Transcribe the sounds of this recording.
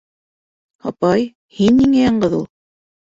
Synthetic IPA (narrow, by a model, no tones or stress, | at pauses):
hɑpɑj | hinːiŋæjɑɴɢɤðulˠ